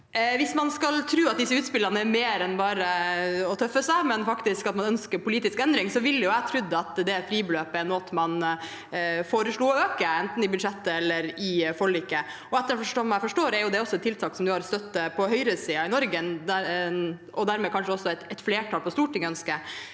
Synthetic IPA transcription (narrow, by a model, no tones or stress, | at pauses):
ʋɪsmɑnskɑlt̪ʰɾʉːɑt̪̚d̪ɪsːəʉːt̪spɪlːɾɑnəɛɾmeːɾɛnbɑːɾəɔt̪ʰœfːəsæɪmɛnfɑkt̪ɪskɑt̪mɑnœnskəɾpʊliːt̪ɪskɛnd̪ɾɪŋsɔʋɪljʊæt̪ʰɾʉd̪ːəɑt̪d̪ɛfɾiːbəløːpəɛɾnoːt̪mɑn | foːɾəʂɭuːɔøːkəɛnt̪n̩ɪbʉd̪ʂɛt̪ːəɛlːəɾɪfɔɭiːkə | ɔɛt̪ːəɾɔfɔʂɔmæɪfɔʂʈoːɾɛɾjʊd̪ɛɔsːɔɛt̪ʰːɪlt̪ʰɑːksɔmd̪ʉhɑɾst̪œt̪ːəpʰɔhœʏɾəsiːɑɪnɔɾɡəd̪æ | ʔɔd̪æːɾmɛːkʰɑnʂəɔsːɔɛt̪ɛt̪fleːʈʰɑːlpɔst̪uːʈʰɪŋœnskə